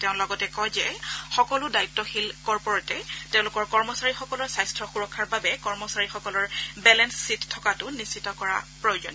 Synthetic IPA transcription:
teʊ̃lɔɡɔtɛkɔjzɛxɔkɔlʊdaitːɔxilkɔɹpɔɹɔtɛtẽʊ̃lʊkɔɹkɔɹmɔsaɹixɔkɔlɔɹsajstʰɹɔxuɹɔkʰːaɹbabɛkɔɹmɔsaɹixɔkɔlɔɹbɛlɛnsːittʰːɔkatʊnisʰitɔkɔɹa̰pɹojod͡ʒɔn

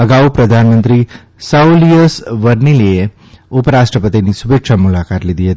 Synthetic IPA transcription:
əɡaʋupɾəd̪ʱanmənt̪ɾi | sauliəsʋəɾnilie | ʊpəɾaʃʈɾəpət̪inisubekʃʰamulakat̪lid̪ʱiɦət̪i̥

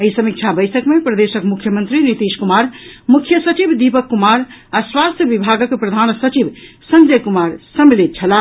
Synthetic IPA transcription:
əɦisəmik̚t͡ʃʰabəjsəkmepɾəd̪esəkmukʰjəmənt̪ɾinit̪iskumaɾmukʰjəsət͡ʃibʱd̪ipəkːumaɾaswast̪ʰjəbibʱaɡəkpɾəd̪ʱansət͡ʃibsənd͡ʒəjkumaɾsəmilet̪̚t͡ʃʰəla

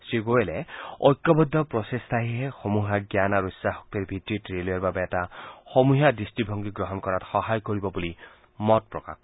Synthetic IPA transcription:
sɹiɡoelɛɔ̰jkːɔbɔdʱːɔpɹɔsestʰaɦiɦɛxomuɦaɡjanaɹuisːaxɔk̚tiɹbʱitɹitɹelojaɹbabɛːtaxomuɦiadistibʱɔŋɡiɡɹɔɦɔnkɔɹatxɔɦajkoɹibɔbuli | mɔt̚pɹɔka̰k̚

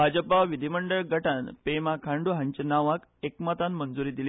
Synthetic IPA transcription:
bʱad͡ʑəpaʋid̪ʱiməɳɖəɭɡəʈanpemakʰãɳɖuɦãɲt͡ɕenaʋak | ekmat̪anmənd͡zuɾiːd̪ili

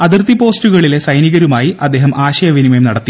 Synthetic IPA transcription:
ɐðirt̪ipo̞ːstuɣɐɭile̞sɐjniɣɐɾumaːjiʔɐd̪ːeːɦɐmʔaːɕɐjɐʋinimemnɐɽɐt̪ːi

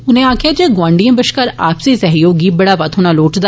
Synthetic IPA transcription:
ʊnẽaːkɪjad͡ʒeːɡwãːɳɖijə̃bəʃkəɾaːpsesɐɦjoːɡibɐɽaːʋɐt̪ɦoːnaloːʈd̪a

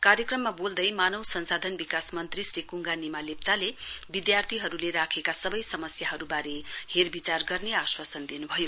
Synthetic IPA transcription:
kaɾjʌkrʌmːabold̪ʌjmanʌwsʌnsad̪ʱʌnbikasmʌnt̪risrikuŋɡanimalep̚t͡salebid̪jart̪ʰiɦʌɾuleɾakʰekasʌbʌjsʌmʌsjaɦʌɾubaɾeherbit͡sarɡʌrneaswasʌnd̪inubʱʌjo

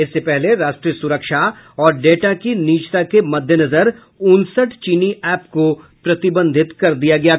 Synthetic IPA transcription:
ɪsːepɛɦleɾaːʃʈɾiəsʊɾəkʃaɔːɾɖeːʈakiniːt͡ʃt̪akemɐd̪ʱjənɐzəɾ | ʊnsəʈt͡ʃiːniʔɛːpko | pɾɐt̪ɪbə̃nd̪ʱɪt̪kɐɾd̪ijaɡɐjaː

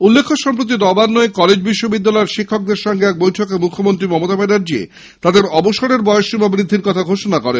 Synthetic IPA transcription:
ulːekʰːoʃɔmpɾot̪̬inɔbanːɔekɔled͡ʑbiʃːobid̪ːalɔeɾʃikʰːok̚d̪eɾʃɔŋɡeɛk̚bojʈʰokemukʰːomont̪ɾimɔmot̪abenaɾd͡ʑiḛ | t̪ad̪eɾɔboʃoɽeɾbɔeoʃibʱabɾid̪ʱːiɾkɔt̪ʰaɡʱoʃonakɔɾen

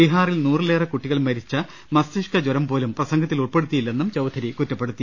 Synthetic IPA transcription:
iɦaːrilnuːrɨleːrɐkuʈːiɣɐɭmɐɾit͡ɕːɐ | mɐsiʂkɐd͡ʑoɾɐmpo̞ːlumprɐsɐŋɡɐt̪ːiluɭpe̞ɽut̪ːijilːe̞nːumt͡ɕɐwd̪ʱʰɐɾikutːɐpːe̞ɽut̪ːi

